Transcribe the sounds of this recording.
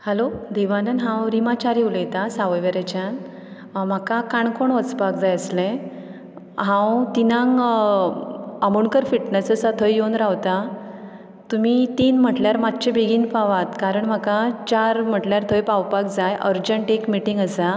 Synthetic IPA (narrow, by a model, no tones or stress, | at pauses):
hɛlod̪eʋanənɦãwɾimat͡ɕaɾewləjt̪asaʋəjʋəɾet͡ɕan | m̤akakaɳkoɳʋət͡spak̚d͡zajəslẽ | ɦãwt̪inãŋ | əmuɳkəɾfiʈnəsəsat̪ʰəjːonɾawt̪a | t̪umit̪inm̤əʈljaɾmad̪t͡ɕebeɡiːnpaʋat̪kaɾəɳm̤akat͡ɕaɾm̤əʈljaɾt̪ʰəjpawpak̚d͡zajʔəɾd͡ʑəɳʈekmiʈiŋɡəsa